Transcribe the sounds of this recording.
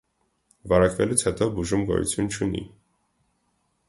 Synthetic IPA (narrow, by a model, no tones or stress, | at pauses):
vɑɾɑkvɛlut͡sʰhɛt̪ɔbuʒumɡɔ̰jṵt͡sʰjunt͡ʃʰunḭ